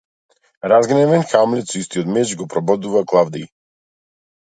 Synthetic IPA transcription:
ɾazɡnɛvɛnxamlɛt̪sɔist̪iɔt̪mɛt͡ʃɡɔpɾɔbɔd̪uvaklˠavd̪ɛj

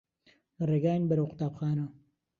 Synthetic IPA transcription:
reːɡaːjnbɐɾɐwqʊ̥t̪aːpxaːnɐ

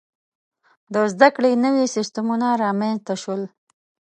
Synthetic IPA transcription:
d̪əzd̪akɽenəwisɪst̪amunaɾɑmenzt̪aʃəl

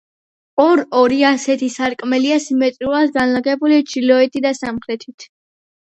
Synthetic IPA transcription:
ɔɾɔɾiasɛt̪ʰisaɾkʼmɛliasimɛt̪ʼɾulˠat̪ɡanlaɡɛbulit͡ʃʰilɔɛt̪ʰid̪asamχɾɛt̪ʰit̪ʰ

